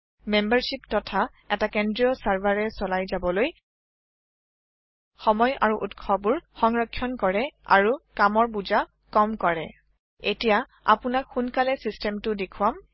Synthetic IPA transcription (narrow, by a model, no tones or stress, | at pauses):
membaɹsiptɔtʰa | ɛtakendɹiɔsaɹbaɹɛsɔlajzabɔloj | xɔmɔjʔa̰ɹuʔutkʰɔbʊɹxɔŋɹɔkʰːjɔnkɔɹɛa̰ɹukamɔɹbuza | kɔmkɔɹɛ̰ | etija | a̰pʊnakxunkalɛsistɛmtʊdekʰwam